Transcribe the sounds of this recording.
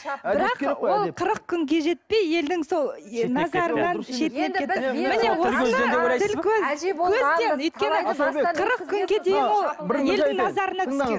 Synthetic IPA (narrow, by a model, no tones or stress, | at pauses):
bɪɾɑqo̞lˠqʰəɾəq̚kʲʰʏŋɡʲe̞ʒe̞t̪̚pe̞je̞ld̪ɪŋso̞lˠnɑzɑɾənɑnʃe̞t̪neet̪ːɪmɪne̞wonəed̪ebot̪ɪlkʰʲɵzʰɵzewojt̪kʲe̞nɪqʰəɾəqkʲʰʏŋɡʲe̞d̪e̞jɪnwolˠje̞lŋnɑzɑɾənɑkʰzk